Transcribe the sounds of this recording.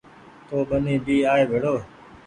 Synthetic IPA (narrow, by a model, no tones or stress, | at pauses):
t̪oːbənĩːbiːaːeːʋʱeɽoː